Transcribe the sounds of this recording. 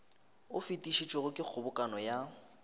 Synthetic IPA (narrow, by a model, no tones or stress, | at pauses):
ʊfitʼiʃit͡ʃʼɔɣʊkʼɪk͡xʰʊbʊkʼanɔja